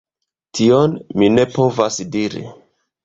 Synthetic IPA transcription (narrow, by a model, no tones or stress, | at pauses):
tʰionmine̞po̞vasdiɾḭ